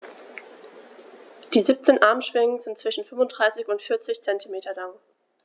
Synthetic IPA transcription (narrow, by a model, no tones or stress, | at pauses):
d̥iːziːp̚t͡seːnʔaɐmʃv̥ɪŋəzɪntt͡sv̥ɪʃn̩fʏmvʊntd̥ʁaɪsɪçʊntfɪɐt͡sɪçt͡sɛntimeːtʰɐlaŋ